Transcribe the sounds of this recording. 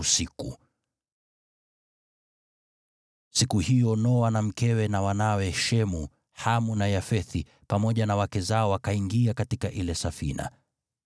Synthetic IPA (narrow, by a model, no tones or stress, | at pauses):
sikṵ | sikuhijɔnɔwanam̩kɛwɛnawanawɛʃɛmu | hamunajafɛθi | pamɔʄanawakɛzaɔwakaiŋɡiakatikaʔilɛsafḭna̰